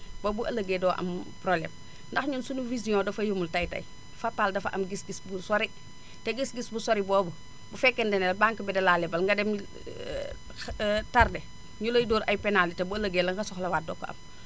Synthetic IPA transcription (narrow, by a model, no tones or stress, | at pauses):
bobuʔɐlɐɡeːdɔːʔɐ̰mpɾoblḛːm | ndɐxɲunsunuvizijɔ̃dɐfɐjumultɐjtɐ̰j | fapːaːldɐfɐʔɐmɡisɡisbusoɾi | teɡisɡisbusoɾibɔːbu | bufɛkːɛndɛnɛlbaŋkibɛdɛlalebɐlŋɡɐdɛm | tardɛ | ɲulojdoːɾʔɐ̰jpɛnalitebuɐlɐɡeːlɐŋɡɐsɔxlɐwaːt̚dɔ̰ːkːo̰ʔɐ̰m